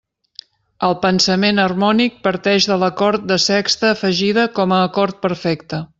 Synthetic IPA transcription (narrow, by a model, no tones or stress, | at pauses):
əlˠpənsəmenərmɔnik̚pəɾt̪ɛʒðələkɔɾt̪̚d̪əsɛkst̪əːfəʒiðəkɔməːkɔɾt̪̚pəɾfɛkt̪ə